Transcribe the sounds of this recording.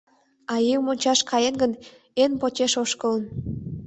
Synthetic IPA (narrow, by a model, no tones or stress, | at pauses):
ɑjiwmonʲt͡ɕɑʃkɑjenɡən | enpot͡ɕeʃoʃkələ̆n